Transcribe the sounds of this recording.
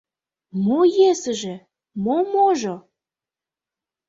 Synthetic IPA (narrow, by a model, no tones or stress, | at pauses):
mojesəʒĕ | momoʒo